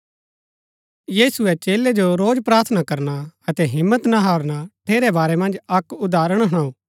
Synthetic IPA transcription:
jiːsʊɛt͡ʃeːlɛd͡ʒoɾoːd͡ʒpɾaːɾt̪ʰnakɐɾnaɐt̪ɛɦɪmːət̪naɦaːɾnaʈʰeːɾɛbaːɾɛmɐ̃nd͡ʒɐkʊd̪aːɾəɽ̃ɦɐɽ̃ãːũː

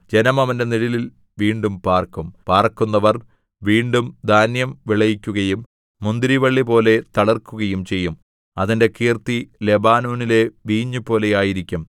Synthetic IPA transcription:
d͡ʑe̞nɐmɐʋɐnde̞niɽilil | ʋiːɳɖumpaːrkumpaːrkunːɐʋɐr | ʋiːɳɖumd̪ʱaːnjɐmʋiɭɐjikʲːuɣɐjumː | und̪iɾiʋɐɭːipo̞ːle̞t̪ɐɭɐrkuɣɐjumt͡ɕe̞jːum | ɐðinde̞kiːrt̪ile̞baːnoːnile̞ʋiːɲːupo̞ːle̞jaːjiɾikʲːum

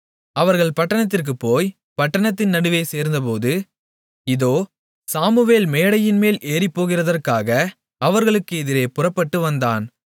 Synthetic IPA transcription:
ɐʋɐɾɣɐɭpɐʈːɐɳɐt̪̬ːɪrk̬ɯpːoːj | pɐʈːɐɳɐt̪̬ːɪnnɐɽɯʋeːseːɾnd̪ɐp̬oːðɯ | ɪðoː | saːmɯʋeːlmeːɽɐjɪnmeːlʔeːɾɪpːoːɣɪrɐðɐrkaːɣɐ | ɐʋɐɾɣɐɭɯkːɯɛðɪɾeːpʊrɐpːɐʈːɯʋɐnd̪aːn

